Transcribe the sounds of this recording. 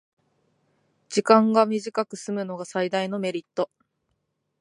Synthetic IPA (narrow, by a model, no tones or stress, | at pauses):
d͡ʑikãŋɡamʲiʑikakɯ̟sɨmɯ̟no̞ɡasaid̪aino̞me̞ɾʲit̪ːo̞